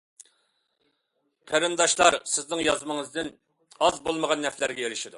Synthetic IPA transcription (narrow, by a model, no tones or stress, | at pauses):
kʰɛɾɨnd̪ɑʃlˠɑɾsɪznɪŋjɑzmɨŋəzd̪ɪn | ɑzbolˠməʁɑnːɛflæɾɡʲɛeɾɪʃid̪u